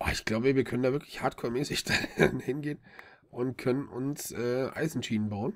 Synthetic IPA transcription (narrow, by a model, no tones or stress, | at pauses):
ʔaɪçɡ̥laʊbəviːɐkʰœnəndaːvɪɐklɪçhaːtkʰɔːɐmɛːsɪçd̥anhɪnɡeːn | ʔʊntkʰœnənʔʊnsʔɛːʔa̰ɪzn̩ʃiːnənbaʊn